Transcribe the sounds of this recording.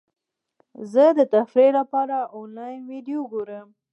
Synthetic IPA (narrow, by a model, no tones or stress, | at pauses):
zəd̪ət̪afɾelapɑɾaonlɑjnwiɖijoɡoɾəm